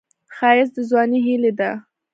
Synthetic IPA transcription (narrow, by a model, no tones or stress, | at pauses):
xɑjɪzd̪əzwɑniɦiled̪a